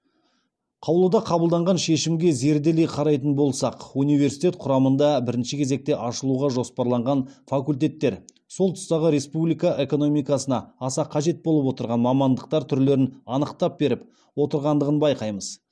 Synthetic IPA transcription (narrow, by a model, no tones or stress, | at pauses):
qʰɑwlˠəd̪ɑqʰɑbəlˠd̪ɑɴʁɑnʃe̞ʃɪmɡʲe̞ze̞ɾd̪e̞le̞jqʰɑɾɑjt̪ənbo̞lˠsɑqunijve̞ɾsijt̪ʲe̞t̪̚qʰʊɾɑmənd̪ɑbɪɾɪnʃɪkʲʰe̞ze̞k̚t̪e̞ʔɑʃəlˠuʁɑʒo̞spɑɾlˠɑɴʁɑnfakulʲt̪̬e̞t̪ːe̞ɾ | so̞lˠt̪ʰʊ̥st̪ɑʁəɾe̞spublijkɑʔe̞ko̞no̞mijkɑsənɑːsɑqʰɑʒe̞t̪̚bolˠəpwo̞t̪əɾʁɑnmɑmɑnd̪əq̚t̪ɑɾt̪ʰʏɾle̞ɾɪnɑnəqt̪ɑp̚be̞ɾɪp | wo̞t̪əɾʁɑnd̪əʁənbɑjqɑjməz̥